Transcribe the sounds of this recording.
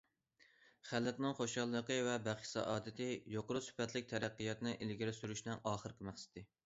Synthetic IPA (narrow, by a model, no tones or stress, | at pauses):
χælːɪqnɨŋχoʃɑlˠːqəvɛbæχʃsɑ̰ʔɑːd̪ɪt̪ʰɪjoqoɾusy̥pɛt̪lɪk̚ʲt̪ʰɛɾæqːijɑt̪nɨʔelɡʲiɾɪsyɾyʃnɛŋʔɑːχəɾkʲɪmæχsɪ̥t̪ʰɪ